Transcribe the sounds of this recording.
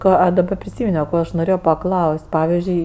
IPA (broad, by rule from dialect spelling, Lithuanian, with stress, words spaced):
ˈkɑː ɐ dɐˈbɐ pʲrʲɪˈsʲiːmʲɪnʲoː ˈkoː ɐʃ noːˈrʲeːjoː pɐˈklˠɐʊsʲtʲ ˈpɑːʋʲɪzʲd͡ʒʲʊɪ